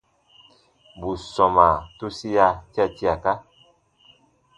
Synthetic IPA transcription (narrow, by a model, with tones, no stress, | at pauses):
bu˨sɔ˨ma˨tu˦si˦ja˧ti˦a˦˨ti˦a˨ka˦